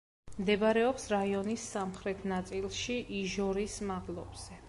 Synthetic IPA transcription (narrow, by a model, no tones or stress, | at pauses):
md̪ɛbaɾɛɔpsɾaiɔnisːamχɾɛt̪ʰnat̪sʼilˠʃiʔiʒɔɾismadlˠɔbz̥ɛ